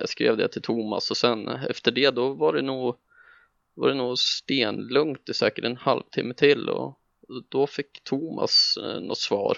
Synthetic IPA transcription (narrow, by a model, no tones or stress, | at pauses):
ja̰skɾḛːvd̪ɛ̰t̪ʰɪlt̪ʰumasɔsɛnɛ̰ft̪əɖɛd̪ɔvaɖɛnuːɡ | vaɖɛnuːɡst̪eːnlɵŋt̪ɪsɛːkəʈɛnhalvt̪ʰɪmːəʈʰɪlːɔ̰ | d̪̥ɔfɪkːt̪ʰuma̰snʔɔ̰t̪svɑ̰ːɾ